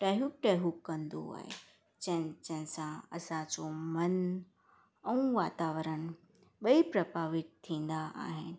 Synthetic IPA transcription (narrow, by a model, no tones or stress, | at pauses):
ʈɛɦuʈɛːɦukːɐ̃nd̪o̰a̰ːɦḛ | d͡ʑɐ̃t͡ɕɐ̃ɦɪ̃sãɐsãt͡ɕomɐn | ɛũʋaːt̪aːʋəɾəɽ̃ | ɓɐipɾɐbaːʋɪt̪̚t̪ʰːĩːn̆d̪aʔa̰ːɦɪnɪ̆